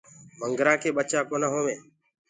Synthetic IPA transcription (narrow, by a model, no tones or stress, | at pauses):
məŋɡɾãːkʰeːɓət͡ʃaːkoːnãːɦoːmeː